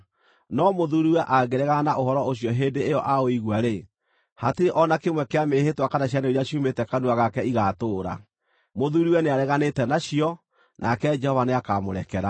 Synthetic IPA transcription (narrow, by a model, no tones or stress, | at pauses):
nɔmoðuɾiwɛʔaɡeɾɛɣanaʔohɔɾɔoɕjɔɦedeːjɔʔaoiɣwaɾe | hateɾeʔɔnakemwɛkeamehetwakanaɕjaneoɾiaɕiumetɛkanuaɣakɛiɣatoːɾa̰ | moðuɾiwɛneaɾɛɣanetɛnaɕiɔ | nʔakɛd͡ʒɛhɔvaneakamoɾɛkɛɾa